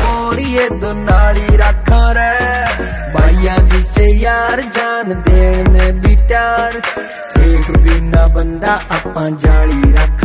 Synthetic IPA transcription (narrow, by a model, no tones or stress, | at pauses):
oɾieːd̪oːnaːliːɾəkʰːãːɾɛː | baːiːãːd͡ʒisejaːɾd͡ʒaːnd̪eːɳ̃nɛːbiːʈjaːɾ | eːkbɪnãːbənd̪aːʔəpːãːd͡ʒaːliːɾakʰ